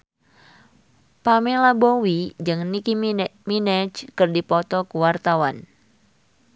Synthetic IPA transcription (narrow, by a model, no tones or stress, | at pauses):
pamilabowid͡ʒɨŋnikiminɛt͡ʃkɨrdipɔt̪ɔkuwart̪awan